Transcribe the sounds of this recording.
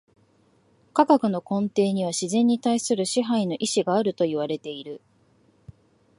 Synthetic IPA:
kaɡakɯ̟no̞kõ̞nt̪e̞ːɲ̟iβ̞aɕizẽ̞ɲ̟ːit̪aisɨɾɯ̟ɕiɦaino̞ʔiɕiɡaːɾɯ̟t̪o̞iβ̞aɾe̞t̪e̞iɾɯ̟

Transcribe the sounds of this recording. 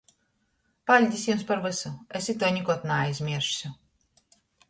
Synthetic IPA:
palʲd̪ʲisʲjumspaɾvɨsuɛsʲit̪ɔːnʲikɔt̪naːjzʲmʲiɛɾʃsʲu

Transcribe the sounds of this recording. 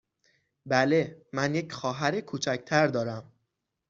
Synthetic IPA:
bælemænje̞cxɒːɦæɾekʰuːt͡ʃʰæc̚ʰt̪ʰæɾd̪ɒːɾæm

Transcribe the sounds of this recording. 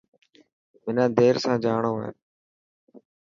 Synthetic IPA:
mɪnãːd̪eːɾsãːd͡ʒaːɳoːaːɦe

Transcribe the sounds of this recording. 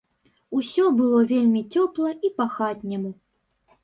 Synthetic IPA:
usʲɔbɨlˠɔvʲelʲmʲit͡sʲɔplˠɐipaxatʲnʲɛmu

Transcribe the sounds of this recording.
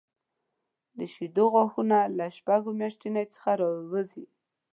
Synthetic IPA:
d̪əʃid̪oɣwaxunalaʃpaɡomjaʃt̪inajt͡sə̥xaɾɑwwəzi

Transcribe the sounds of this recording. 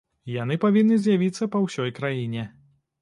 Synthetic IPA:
janɨpavʲinːɨzʲjavʲit̪sːɐpɐwsʲɔjkɾajinʲɛ

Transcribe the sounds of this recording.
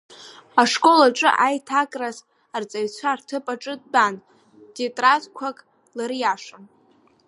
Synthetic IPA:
aʂkʼo̞laʈ͡ʂʼɨ̰ʔajtʰakʼraz | art͡sʼajt͡ɕʷʰartʰɨpʼaʈ͡ʂʼɨd̚ban | detʼrazkʷʰakʼ | laɾjaʂan

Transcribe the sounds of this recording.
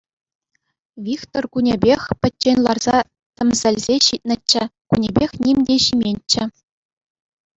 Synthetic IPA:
vʲikt̪orkunʲebʲexʲpʲɘ̆tʲːenʲlˠɑrz̥ɑ | t̪ʲɘ̆mʲzʲɘ̆lʲzʲeɕit̪̚ʲnʲɘ̆t͡ɕːɘ̆kunʲebʲexʲnʲimʲdʲeɕimʲenʲt͡ɕːɘ̆

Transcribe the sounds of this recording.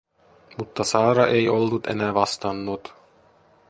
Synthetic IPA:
mut̪ːɑsɑːɾɑʔejolːut̪ḛnæːʋɑst̪ɑnːut̪

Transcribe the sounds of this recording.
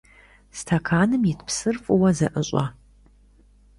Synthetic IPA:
stʰɐkʰaːnɨmjɪtʰpsɨrfʼʊwɐzɐʔəɕʼɐ̰

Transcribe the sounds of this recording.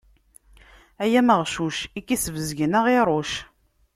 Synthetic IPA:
æjæməʁʃuʃikːisəvəzʝənəʁɪɾˤoʃ

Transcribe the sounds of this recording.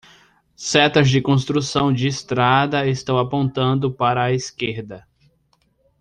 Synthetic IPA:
sɛt̪ɐzd͡ʒɪkõst̪ɾusɐ̃w̃d͡ʒɪːst̪ɾad̪ɐest̪ɐ̃w̃apõnt̪ɐ̃nd̪ʊpaɾɐːeskeɾd̪ɐ

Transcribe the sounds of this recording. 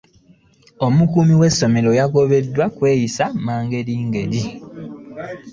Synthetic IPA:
o̞mukuːmiwe̞sːo̞me̞ɾo̞jaɡo̞βe̞dːwakwe̞ːjisamaːŋɡe̞liːŋɡe̞ɾi

